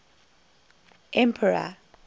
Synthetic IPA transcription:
ʔɛ̃mpʰəɹa̰

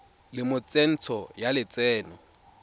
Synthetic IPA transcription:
lɪmʊt͡sʼen̩t͡sʰɔjalɪt͡sʼɛːnɔ

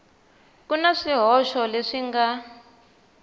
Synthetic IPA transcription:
kunaʂiɦɔʃɔleʂiŋɡa

